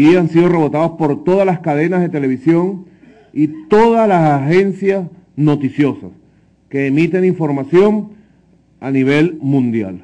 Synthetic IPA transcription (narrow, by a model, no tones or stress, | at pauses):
iansiðo̞re̞βo̞t̪aðospo̞ɾt̪o̞ð̞alaskað̞e̞nazðe̞t̪e̞le̞β̞isjo̞ŋ | it̪o̞ðaslasaxe̞nsjas | no̞t̪isjo̞sa̰s | ke̞ːmit̪e̞niɱfo̞ɾmasjo̞ŋ | aniβe̞lmũnd̪ja̰l